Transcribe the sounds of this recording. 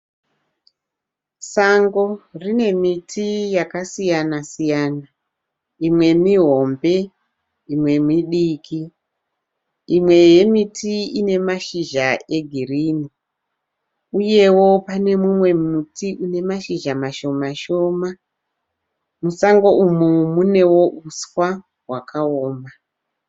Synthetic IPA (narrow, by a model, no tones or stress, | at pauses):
saŋɡo̞rine̞mitʰijakasijanasijaːna | imwe̞miɦo̞mbe̞ | imwe̞miɗikʰi | imwe̞je̞mitʰiine̞maʃiʒae̞ɡʱiriːni | uje̞wo̞pane̞mumwe̞mmutiʔune̞maʃiʒamaʃo̞maʃo̞ːma | musaŋɡo̞ʔumumune̞wo̞ʔuswa | ɦwakʰaoːma